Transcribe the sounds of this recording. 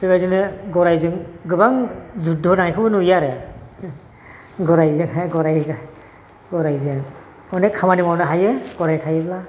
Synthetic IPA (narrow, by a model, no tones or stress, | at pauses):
tɯɡajdɯnɯɡɔɾajzɯŋɡɯbaŋzudɔnaŋajkʰɯbɯnujaɾe | ɡɔɾajzɯŋaɡɔɾajɡa | ɡɔɾajzɯŋ | ɔnekʰamanimawnɯɦajeɡ̥ɔɾajtʰajebla